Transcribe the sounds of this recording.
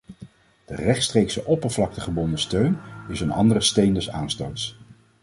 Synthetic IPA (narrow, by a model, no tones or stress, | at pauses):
d̥ərɛχtstrejksəʔɔpəɹvlɑk̚təχəbɔndəstøɥnɪsənɑ̰ndərəstejndɛsa̰ːnstowts